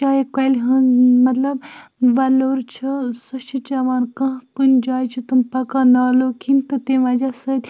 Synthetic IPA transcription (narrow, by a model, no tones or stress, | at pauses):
aːjikɐlɦɐnmɐt̪lɐb̚ʋɐloːɾt͡ʃʰɐsɐʃit͡ʃɐʋaːnkɐ̃ɦkund͡ʒaːjt͡ʃʰit̪umpɐkaːnaːloːkʰint̪ɨt̪eːʋɐd͡ʒasɐd̪ʲ